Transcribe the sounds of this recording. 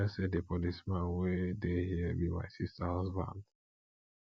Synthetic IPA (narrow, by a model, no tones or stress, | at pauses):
ɛsedepɔlismãnwedehiəbima̰ɪsistaazbã̰nd